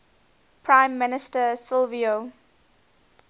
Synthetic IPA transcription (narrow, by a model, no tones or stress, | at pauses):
pʰɹãɪ̃mːɪnɪstəsɪlvio